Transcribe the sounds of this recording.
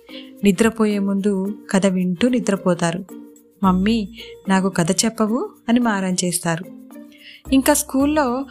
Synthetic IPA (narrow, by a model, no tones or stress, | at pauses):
nid̪ɾɐpoːjeːmund̪ukɐd̪ɐʋiɳʈunid̪ɾɐpɔːt̪aːɾu | mɐmːinaːkukɐd̪ɐt͡ʃɛpːɐʋuɐnimaːɾɐnt͡ʃeːst̪aːɾu | iŋkaːskuːlːo̞ː